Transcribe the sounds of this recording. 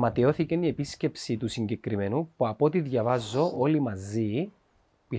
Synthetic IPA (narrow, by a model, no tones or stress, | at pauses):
mɐt̪io̞θicenie̞pisce̞psit̪usiɲɟe̞kɾime̞nupuɐpot̪iðʝɐvɐzːo̞ʔolimɐzi | pi